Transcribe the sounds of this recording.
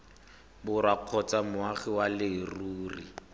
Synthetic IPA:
bʊrwaq͡χʰɔt͡samʊaχɪwalɪruːrḭ

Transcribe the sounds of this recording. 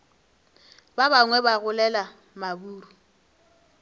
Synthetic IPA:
babaŋwɛbaɣʊlɛla | mabuːɾu

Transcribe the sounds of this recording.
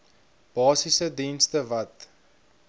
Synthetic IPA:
b̥ɑːsisədinstəvɐt

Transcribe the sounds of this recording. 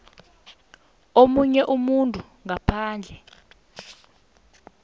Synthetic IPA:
omuɲɛʔumuntʼu | ŋapʰaːnd͡ɮʱɛ

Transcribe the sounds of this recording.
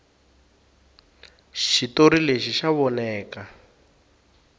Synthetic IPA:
ʃitoɾileʃiʃaβɔnɛːka

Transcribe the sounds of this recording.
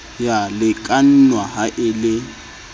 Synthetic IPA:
jalɪkʼan̩nwahaʔɪlɪ

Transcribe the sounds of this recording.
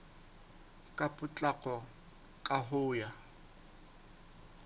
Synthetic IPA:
kʼapʼʊt͡ɬʼakʼɔ | kʼaɦʊːja

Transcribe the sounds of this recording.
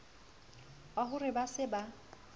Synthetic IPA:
baɦʊrɪbasɪba

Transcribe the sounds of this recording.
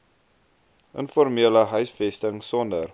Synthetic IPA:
ʔənfɔɾmiələɦœɥsfɛstəŋsɔndər

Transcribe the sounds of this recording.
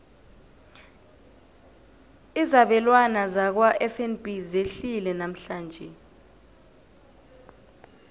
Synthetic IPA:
izaɓɛlwanazak̬waʔɛfɛnbizeɬilɛnam̩ɬaːnd͡ʒʱɛ

